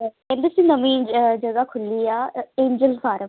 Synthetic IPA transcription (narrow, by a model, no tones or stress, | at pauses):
kɛ̃nd̪esiːnəmĩːd͡ʒd͡ʒəɡaːkʰʊlːiːaːẽːɲd͡ʒəlfaːɾəm